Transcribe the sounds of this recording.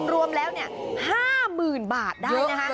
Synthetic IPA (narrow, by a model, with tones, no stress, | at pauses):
mɾu˧əmlɛː˦˥wni˥˩ɐ | haː˥˩mɯː˨˩nbaː˨˩t̪̚daːjjna˦˥kʰa˦˥